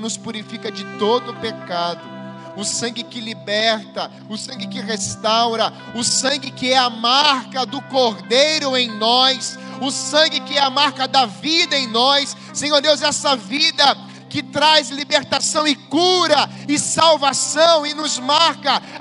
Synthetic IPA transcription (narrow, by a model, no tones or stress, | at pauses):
nʊspuɾifikɐd͡ʒɪt̪od̪ʊpekad̪ʊ | ʊsɐ̃ŋɡɪkɪlibɛɾt̪ɐ | ʊsɐ̃ɡɪkɪʁest̪awɾɐ | ʊsɐ̃ŋɡɪkɪɛɐmaɾkɐd̪ʊkoɾd̪ejɾʊẽj̃nɔs | ʊsɐ̃ŋɡɪkɪɛamaɾkɐd̪ɐvid̪ɐẽj̃nɔsːẽj̃oɾd̪ewzɛsɐvid̪ɐ | kɪt̪ɾajzlibeɾt̪asɐ̃w̃ɪkuɾɐ | ɪsawvasɐ̃w̃ɪnʊzmaɾkɐ